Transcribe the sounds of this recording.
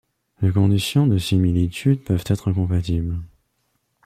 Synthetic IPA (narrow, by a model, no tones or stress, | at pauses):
lekɔ̃d̪isjɔ̃d̪əsimilit̪ʰyd̪pœvt̪ɛt̪χəkɔ̃pat̪ibl